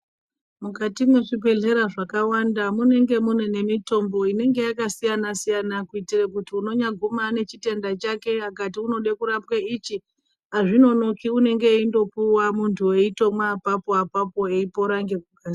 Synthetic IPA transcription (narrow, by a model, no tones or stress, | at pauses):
mukatimweʐibʱe̞ɮe̞ɾaʐakawandamune̞ŋɡe̞munene̞mito̞mbo̞ine̞ŋɡe̞jakasijanasijanakuitirekutiuno̞ɲaɡʱumane̞t͡ʃite̞ndat͡ʃake̞akatiuno̞ɗekuɾapkait͡ʃi | aʐino̞no̞kiune̞ŋɡe̞indo̞puwamuntʰueito̞mwapapoapapo̞eipo̞ɾaŋɡekuɡʱaːs